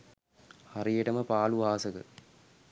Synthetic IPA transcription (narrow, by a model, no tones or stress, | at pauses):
hɐɾijeʈɐmɐpaːluʋaːsɐkɨ̰